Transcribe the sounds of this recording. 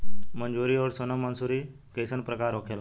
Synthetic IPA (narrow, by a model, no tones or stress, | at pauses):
məɲd͡ʑuɾiːɔːɾsonəmənsuɾi | kesənpɾəkaɾokʰel